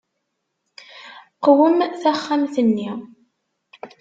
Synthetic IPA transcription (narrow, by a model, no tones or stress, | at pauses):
qwəmθæχːamθənːi